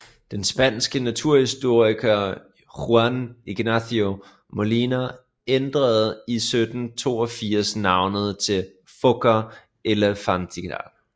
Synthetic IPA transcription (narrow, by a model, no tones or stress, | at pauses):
d̥ensb̥ænsɡ̥ənæt͡sʰuɐ̰hisd̥o̝ɐ̰ikʰɐ | huæniɡ̥næθio | molinæ | end̥ʁɐð̩ˠisød̥n̩t͡sʰo̝̰ːɒfiɐ̰snɑ̈ʊnəð̞̩ˠt͡sʰe̝l | fɔɡ̥ɐ | ʔelɐfɑ̈nd̥ʰiɡ̥ɑ̰l̥